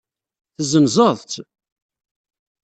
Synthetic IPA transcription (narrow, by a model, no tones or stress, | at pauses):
θəzənzəðˤt̪